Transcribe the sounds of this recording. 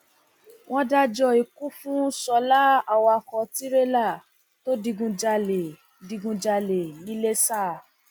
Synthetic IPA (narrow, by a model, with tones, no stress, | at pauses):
w̃ɔ̃˦da˦d͡ʒɔ˧i˨ku˦fũ˦sɔ˧la˦a˨wɔ˧a˧kɔ˧ti˦ɾe˦la˦˨ | to˦di˧ɡũ˧d͡ʒa˧le˨ | di˧ɡũ˧d͡ʒa˧le˨nĩ˨˦le˦sa˦˨